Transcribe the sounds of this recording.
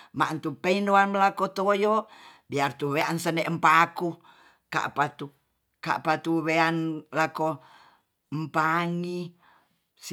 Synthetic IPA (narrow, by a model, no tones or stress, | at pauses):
mant̪upeindoanməlakot̪ojobiart̪uweansənɛʔmpaku | ka̰ʔpat̪u | ka̰ʔpat̪uweanlako | mpaŋi | s